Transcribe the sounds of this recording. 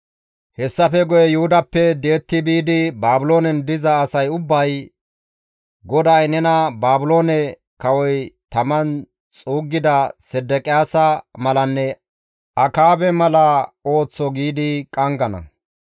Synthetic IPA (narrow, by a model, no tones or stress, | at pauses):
hɛsːɐfɛɡɔjɛjʊhʊd̪ɐpːɛd̪e̞ːt̪ːɪbiːd̪ɪbaːbʊlo̞ːnɛnd̪ɪzɐːsɐjʊbːɐj | ɡɔd̪ajnɛnɐbaːbʊlo̞ːnɛ | kɐwɔjt̪ɐmɐn | t͡sʼuːɡːɪd̪ɐsɛd̪ːɛkʼɪjaːsɐmɐlɐnːɛ | ʔɐkaːbɛmɐlɐo̞ːt͡sːɔɡiːd̪ɪkʼɐŋɡɐnɐ̰